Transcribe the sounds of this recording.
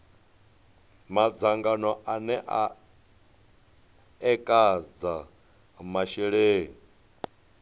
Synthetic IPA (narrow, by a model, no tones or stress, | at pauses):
mad͡zaŋɡanɔʔanɛʔa | ɛkʼad͡za | maʃɛɺeːŋi